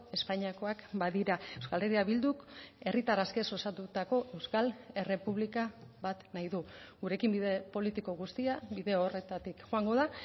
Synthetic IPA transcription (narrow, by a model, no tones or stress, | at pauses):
e̞spaɲiako̞akbaðiɾae̞wskale̞ɾiaβild̪uke̞rit̪araske̞so̞sat̪ut̪ako̞ʔe̞wskale̞re̞puβlikabat̪najðuɡuɾe̞kimbiðepo̞lit̪iko̞ɣust̪iabiðe̞ore̞t̪at̪ikʝoaŋɡo̞ða